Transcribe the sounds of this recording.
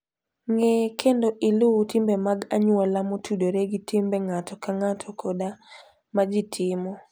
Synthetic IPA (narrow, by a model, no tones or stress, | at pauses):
ŋɛkʰendoʔɪlʊtɪmbemaɡaɲwalamotʰudoɾeɡɪtɪmbɛŋatʰɔkaŋatʰɔkʰɔda | mad͡ʒɪtʰɪmɔ